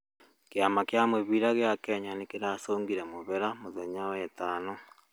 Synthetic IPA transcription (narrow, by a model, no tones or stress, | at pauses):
kjamakjamweβiɾaɣjakeːɲanikiɾaːsoːŋɡiɾemoβeɾamoðeɲawɛtaːno